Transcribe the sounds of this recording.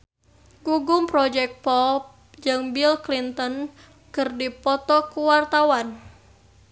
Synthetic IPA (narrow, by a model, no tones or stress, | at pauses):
ɡuɡʊmpɾɔd͡ʒɛk̚pɔp̚ | d͡ʒɨŋbilklint̪ɔn | kɨrdipɔt̪ɔkuwart̪awan